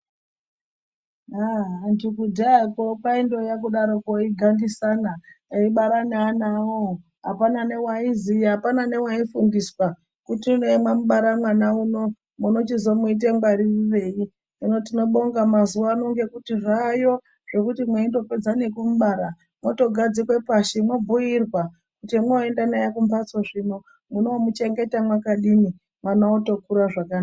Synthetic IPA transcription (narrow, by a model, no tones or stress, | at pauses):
aɦndikudakopaindo̞jak̬uɗaɾo̞koiɡʱandisanaiɓaɾananawo | ɦapanane̞waiziɦapanane̞waifundiswa | kutinemwamuɓaɾamwanauno̞ | munot͡ʃizo̞muit̬eŋɡwaɾiriʋe̞i | ino̞t̬ino̞ɓo̞ŋɡamazuʋaːno̞ŋɡe̞kutirajo̞ | ʐ̥e̞kutimweindo̞ped͡zane̞kumuɓaːɾa | mwoto̞ɡʱad͡zikwe̞paʃimwobʱujirwa | kutimwoendanajakumbat͡soʐino̞ | munoːmut͡ʃe̞ŋɡe̞tamwakaɗini | mwanaoto̞kuɾaʐakana